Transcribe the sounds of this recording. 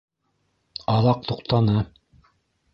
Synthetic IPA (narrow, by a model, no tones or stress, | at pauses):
ɑðɑq̚t̪uqt̪ɑnɤ